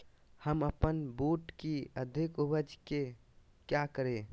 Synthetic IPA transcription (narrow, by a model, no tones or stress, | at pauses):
həməpənbuʈkiəd̪ʱikubəd͡ʒke | kjakəɾe